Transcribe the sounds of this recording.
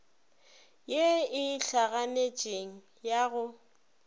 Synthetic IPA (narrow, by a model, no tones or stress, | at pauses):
jeɪɬaɣanet͡ʃʼeŋ̩ | jaɣʊ